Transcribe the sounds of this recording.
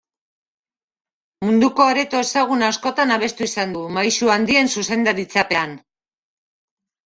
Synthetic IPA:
mund̪uko̞aɾe̞t̪o̞e̞saɣ̞unaːsko̞t̪anaβe̞st̪uisand̪umajsuand̪ie̞nsuse̞nd̪aɾit͡sape̞an

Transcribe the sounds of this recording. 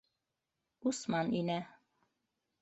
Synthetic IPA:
usmɑninæ

